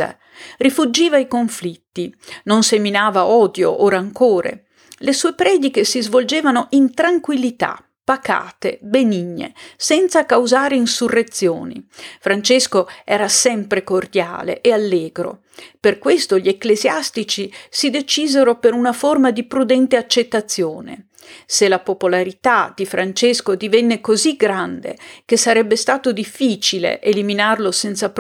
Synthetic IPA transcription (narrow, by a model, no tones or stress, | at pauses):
a̰ | rifud͡ʒiːvaikoɱflit̪ːinonseminaːvaɔːd̪jo̰ʔoːɾaːŋkoːɾḛ | lesuːepɾɛːd̪ik̟esizvold͡ʒeːvanoʔint̪ɾaŋkwilːit̪a̰ | pːaka̰ːt̪ḛbeniɲːḛsɛnt̪sakawzaːɾeinsurːet̪sjoːnḭfɾant͡ʃeskoɛːɾasɛmpɾekord̪ja̰ːlḛʔealːeːɡɾo̰ | perkwest̪oʎieklezjast̪it͡ʃisid̪et͡ʃiːzeɾopeɾunaformad̪ipɾud̪ɛnt̪eat͡ʃːet̪ːat̪sːjoːnḛ | selapopolaɾit̪ad̪̥ifɾʔant͡ʃeskod̪ivɛnːekoziɡɾand̪ḛkesaɾɛbːest̪aːt̪od̪ifːiːt͡ʃilḛʔeliminarlosɛnt̪sap